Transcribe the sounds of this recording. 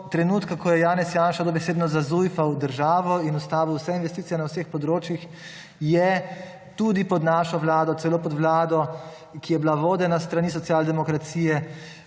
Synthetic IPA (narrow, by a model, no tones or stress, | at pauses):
t̪ɾɛnuːt̪kakɔjɛjaːnɛsjaːnʃad̪obɛseːd̪nɔzazujfawd̪əɾʒaːʋɔinust̪aːʋuwsɛinʋɛst̪it̪sijɛnawsexpɔd̪ɾoːt͡ʃjix | jɛ | t̪ud̪ipɔd̪naːʃɔʋlaːd̪ɔt̪sɛloːpɔd̪ʋlaːd̪ɔ | kijɛblaʋoːd̪ɛnast̪ɾanis̬ɔtsjaːld̪ɛmɔkɾat̪siːjɛ